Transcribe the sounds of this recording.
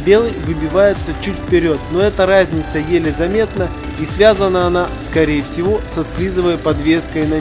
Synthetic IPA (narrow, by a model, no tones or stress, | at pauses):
bʲe̞lˠɨjvɨbʲɪvajɪt̪sət͡ɕutʲfʲpʲɪɾʲo̞t̪̚no̞ɛt̪əɾazʲnʲɪt̪səjelʲɪzɐmʲe̞t̪nə | isvʲazənəɐnaskɐɾʲejɪfsʲɪvo̞sɐsklʲizɨvəjpɐd̪vʲe̞skəjnɐ